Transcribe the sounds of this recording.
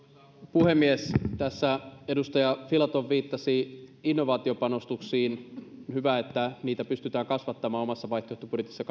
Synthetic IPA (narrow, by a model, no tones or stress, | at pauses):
puhe̞mːiest̪æsːæe̞dust̪ɑjɑfilɑt̪oʋʋiːt̪ːɑsiinːo̞ʋɑːt̪io̞pɑno̞st̪uksiːnhyʋæet̪ːæniːt̪æpyst̪yt̪æːŋkɑsʋɑt̪ːɑmɑːomɑsːɑʋɑjht̪oet̪ɑpudjet̪isːɑk